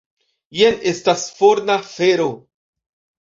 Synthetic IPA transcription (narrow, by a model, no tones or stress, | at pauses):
jene̞stasfoɾnafeɾo